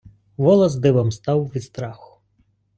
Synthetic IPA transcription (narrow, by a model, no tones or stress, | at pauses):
ʋɔlˠɐzd̪ɪʋɐmst̪ɑwʋʲist̪ɾɑxʊ̥